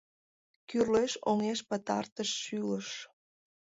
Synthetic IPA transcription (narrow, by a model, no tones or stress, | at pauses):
kyrleʃoŋeʃpət̪ɑ̰rt̪əʃːyləʃ